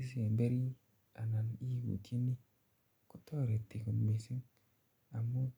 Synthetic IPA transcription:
i˦s̬i˦e˨mbe˦ɾi˦ | a˨na˨ni˦˨ɡṵ˨tʰi˦ni˦ | kʊ˦t̪ɔ˦˨ɾe˨t̪i˨ku˨nme˨si˦ŋ | a˨mo˦

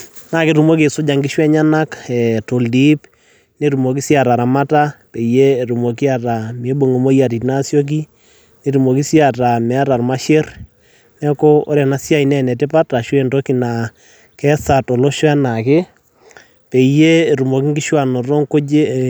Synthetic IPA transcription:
na˨ke˦ɾu˨mo˦k̬e˨sʊ˦d͡ʒa˨ŋɡi˦ʃwɛ˦ɲa˦na˦kɛ˨to˨ldi˦p | ne˨ɾu˨mo˨k̬i˦sja˨ɾa˨ɾa˨ma˦ta˦pe˨je˦˨ɾu˨mo˨k̬i˦a˨ta˨me˨˦bo˨ŋo˨mo˦ja˨ti˨tna˦sjɔ˦k̬i˦ | ne˨ɾu˨mo˨ki˦si˦a˨ta˨mɛ˨a˦ɾa˨rma˦ʃe˦r | nɛ˦ko˦o̰˦ɾja˨na˨˦sja˦i˨nɛ˦˨nɛ˨te˦pa˦ta˨ʃwe˦˨ndo˦ki˨na˨ | kɛ˦sa˨to˨lo˦ʃwɛ˦na˨ke˦ | pe˨jeː˦˨ɾu˨mo˨ki˦ŋɡi˦ʃwa˨nɔ˨ɾo˦ŋko˦d͡ʒe˦

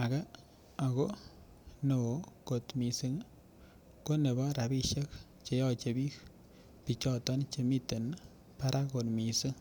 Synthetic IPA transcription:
a˨kɛ˦ | a˨ko˦ | no˨ko˨tmi˨si˦ŋ | ko˦ne˨bɔ˦ɾa˨bi˦ʃe˦k | t͡ʃe˨jɔ˦t͡ʃe˨bi˦k | pi˨t͡ʃɔ˦tɔ˦nt͡ʃe˨mi˦te˨n | pa˦ɾʔa˦ko˨tmi˨sɨ˦ŋ

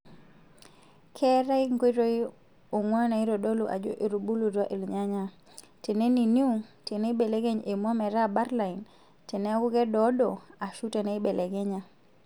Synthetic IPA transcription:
kʰɛ˦ɾa˦i˦ŋko˦i˦ɾo˦i˦ | o˨ŋwa˦na˨i˦ɾo˨do˦lu˨ʔa̰˨d͡ʒo̰˦ʔe˨ɾu˨bu˦lu˨ɾa˦ʔe˨lɲa˦ɲa˨ | te˨ne˦ni˨ni˦u˦te˨ne˦be˨le˦ɡe˦ɲe˨mɔ˦mɛ˨ɾa˦ba˦ɾla˨i˨n | te˨ne˦ɡu˦ɡɛ˦dɔ˦do˨a˨ʃu˦te˨ne˦i˦be˨le˨ɡe˦ɲa˨

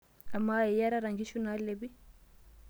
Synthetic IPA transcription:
a˨mai˨ja˦ɾaɾaŋɡi˦ʃuna˦lebi˦

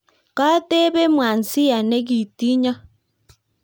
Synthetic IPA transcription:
ka˦te˦βe˦mwa˨nsi˦ja˨ne˦ɣi˨ti˦ɲa˦

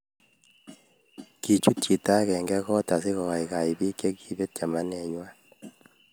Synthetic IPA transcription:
ki˨t͡ʃu˦tt͡ʃi˨ta˦kɛ˨ŋɡɛ˦kɔ˦ta˨sɪ˦kɔ˨ka˨ɪ˨ka˨i˨bi˦ke˦ki˨be˦t̚t͡ʃa˨ma˦nɛ˨ɲwa˦

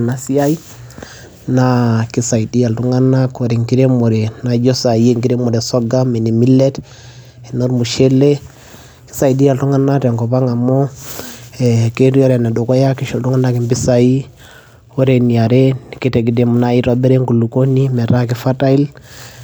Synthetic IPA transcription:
na˨˦si˦a˦i˦ | na˨ki˦sa˨i˨di˦a˨ltu˦ŋa˦na˦ko˨ɾe˨ŋki˦ɾe˦mo˨ɾɛ˨na˨d͡ʒɔ˦sa˨je˦ŋɡi˦ɾe˦mɔ˨ɾɛ˨sɔ˦ɡa˦mɛ˨ni˨mi˦lɛ˦t | ɛ˨no˦ɾmu˨ʃe˦le˦ | ki̥˦sa˨i˨di˦ja˨ltu˦ŋa˦na˦tɛ˨ŋkɔ˨pa˦ŋa˨mɔ˦ | ɛ˨ke˦ɾi˦ɔ˦ɾɛ˨na˨do˨kɔ˦ja˦ki˦ʃɔ˨lu˦ŋa˦na˦ki˨mbi˦sa˨i˦ | wo˦ɾe˨ni˨a˨ɾɛ˦ki˦tɛ˨ɡi˦de˦mu˨na˦i˦ɾɔ˦bɛ˦ɾɛ˦ŋku˨lu˨ko˦ni˦mɛ˨ɾa˦ki˦fa˦ta˦i˦l

